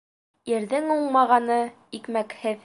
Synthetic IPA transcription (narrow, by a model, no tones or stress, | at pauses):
jɘ̆ɾðɘŋuɴmɑʁɑnɤ | ikmækhɘð